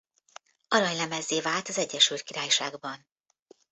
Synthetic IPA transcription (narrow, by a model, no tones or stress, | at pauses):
ɒɾɒjlɛmɛzːeːvaːlt̪ɒzɛɟːɛʃylt̪̚kiɾaːjʃaːɡbɒn